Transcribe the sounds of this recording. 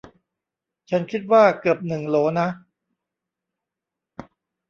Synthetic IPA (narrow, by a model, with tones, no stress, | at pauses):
t͡ɕʰa˦˥nkʰi˦˥t̪̚waː˥˩kɯ˨˩əp̚nɯ˨˩ŋloː˩˦na˦˥